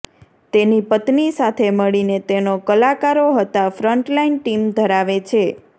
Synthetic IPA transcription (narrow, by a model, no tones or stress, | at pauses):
t̪enipət̪nisat̪ʰeməɭinet̪enokəlakaɾoɦət̪afɾəɳʈlainʈimd̪ʱəɾaʋet͡ʃʰe